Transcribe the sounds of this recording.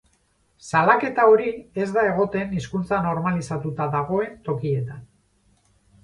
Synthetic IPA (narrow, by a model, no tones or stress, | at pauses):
salake̞t̪ao̞ɾie̞zd̪ae̞ɣ̞o̞t̪e̞niskunt͡sano̞ɾmalisat̪ut̪aðaɣ̞o̞e̞nt̪o̞kie̞t̪an